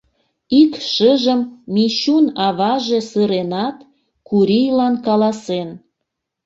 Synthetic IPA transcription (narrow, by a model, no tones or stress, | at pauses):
ikʃəʒəmːiɕunɑβɑʒe̽səɾenɑt̪ | kuɾijlɑnkɑlɑsen